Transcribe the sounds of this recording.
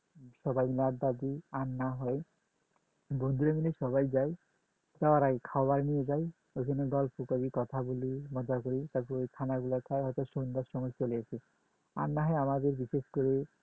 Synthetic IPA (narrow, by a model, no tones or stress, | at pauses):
sɔbajmilaɾd̪ad̪ianːaɦɔj | bond̪uɾemilesɔβajd͡ʒaj | tawaɾaɡekʰawbaɾnijed͡ʒaj | ojkʰɔneɡɔlpɔkɔɾikɔt̪ʰabulimɔd͡ʒakɔɾit̪apuojkʰanaɡulat̪ʰajɦɔjt̪ɔsond̪asɔŋɔjt͡ʃoliasʰi | a̰nːaɦɔjamad̪eɾbiseskoɾi